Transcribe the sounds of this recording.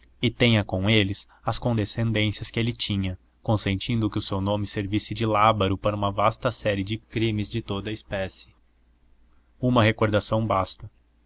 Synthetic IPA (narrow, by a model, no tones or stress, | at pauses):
ɪt̪ẽj̃ɐkõw̃elɪs | ɐskõnd̪esẽnd̪ẽsiɐskɪelɪt͡ʃĩɲɐ | kõsẽnt͡ʃĩnd̪ʊkɪʊsewnõmɪseɾvisɪd͡ʒɪlabɐɾʊpaɾɐũmɐvast̪ɐsɛɾɪd͡ʒɪkɾĩmɪzd͡ʒɪt̪od̪ɐispɛsɪ̥ | ũmɐɦekoɾd̪asɐ̃w̃bast̪ɐ